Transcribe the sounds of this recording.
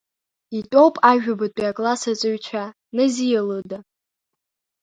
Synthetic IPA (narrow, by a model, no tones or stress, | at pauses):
itʼowpʼaʒᶣabɨt̚ʰʼiakʼlasat͡sʼɨɥt͡ʃʷʰa | nɨzijalɨda